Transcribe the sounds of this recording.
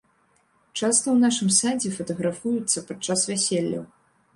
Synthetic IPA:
t͡ʂast̪ɐwnaʂɨmsand͡zʲɛfɐt̪ɐɣɾafujut̪sːɐpat͡ʂasvʲæsʲelʲːɐ̰w

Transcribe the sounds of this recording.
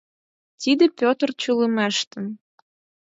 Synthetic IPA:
t̪id̪ə̆pʲot̪ərt͡ɕulə̆mæʃt̪ə̆n

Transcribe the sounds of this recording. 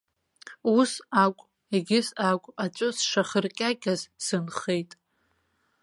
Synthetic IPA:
usakʷʼ | eɡʲɪsakʷʼat͡ʃʷʼʊsʂaχərkʲʼakʲʼazsɨnχe̞jtʼ

